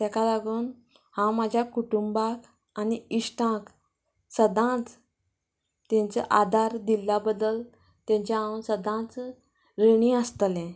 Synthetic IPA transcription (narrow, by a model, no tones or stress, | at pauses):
t̪ɛkalaɡuːn | hãmad͡ʑʱjakuʈumbak | aniisʈãk | səd̪ʱãt͡s | t̪jɛ̃ɲt͡səʔad̪ʱaɾd̪ilːabəd̪əl | t̪jãɲt͡ɕaãnsəd̪ãt͡s | ɾeɽ̃ĩəst̪əlɛ̃